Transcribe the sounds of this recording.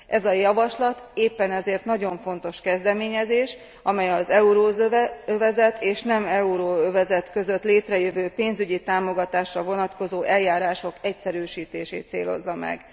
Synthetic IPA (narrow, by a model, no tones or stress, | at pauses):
ʔɛzɒjɒvɒʃlɒt̪eːpːɛnɛzeːrt̪nɒɟo̞ɱfo̞n̪t̪o̞ʃkɛzd̪ɛmeːɲɛzeːʃ | ɒmɛjɒzɛuɾoːøvɛzɛt̪eːʃnɛmɛuɾoːøvɛzɛt̪kø̞zø̞t̪leːt̪rɛjøvøːpeːnzyɟit̪aːmo̞ɡɒt̪aːʃrɒvo̞nɒt̪ko̞zoːʔɛljaːɾaːʃo̞kɛcsɛɾyːʃiːt̪eːʃḛːt̪sḛːlo̞̰zːɒmɛ̰ɡ